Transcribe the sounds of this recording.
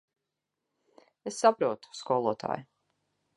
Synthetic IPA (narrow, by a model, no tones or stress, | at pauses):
esːapɾuɔt̪u̥skɔːlˠuɔt̪ʰa̰ːj